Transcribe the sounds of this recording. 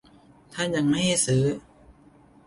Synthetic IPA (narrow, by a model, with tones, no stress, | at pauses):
t̪ʰa˥˩nja˧˩ŋma˥˩jha˥˩jsɯː˩˦˥